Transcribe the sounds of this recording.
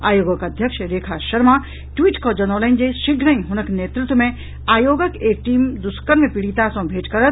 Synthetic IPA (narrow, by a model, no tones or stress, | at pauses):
a̰ːjoːɡəkɐd̪ʱjəkʃɾeːkʰaʃɐɾma | ʈwiːʈkod͡ʒɐnoːlə̃ɪnd͡ʒeʃɪɡʱɾə̃ĩɦʊnəkneːt̪ɾʊt̪wəmẽ | aːjoːɡəkeːk̚ʈiːmd̪ʊskəɾmẽpɪɽit̪asɐ̃bʱeːʈkɐɾət̪̚ʰ